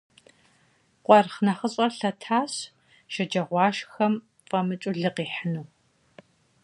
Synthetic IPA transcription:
qʷʼɔrχnɐχəɕʼɐrɬɐtʰaːɕ | ʃɐd͡ʒɐʁʷɑːʃxɐm | fʼɐmɨt͡ʃʼʊɮɨqiːħənuː

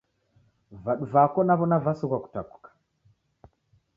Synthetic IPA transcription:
vaɗuvakɔnaβɔnavasiɣwaku̥taku̥kḁ

